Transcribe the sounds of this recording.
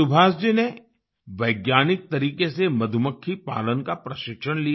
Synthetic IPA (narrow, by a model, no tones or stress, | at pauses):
ʊbʱaːsd͡ʒine | ʋɐɪɡjaːnɪk̚t̪ɐɾiːkesemɐd̪ʱʊməkʰːipa̰ːlənkapɾɐʃɪkʃənli